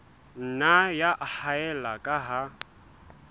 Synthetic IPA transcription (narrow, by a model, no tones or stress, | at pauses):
n̩najaʔahaɛlakʼaɦa